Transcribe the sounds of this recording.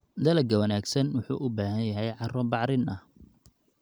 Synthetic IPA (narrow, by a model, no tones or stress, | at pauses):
d̪ɐlɐɡɐwɐnaːɡsɐnwʊħṵːʔʊbaːɦɐnjɐɦɛjʕɑrɔbɑʕɾɪnɐh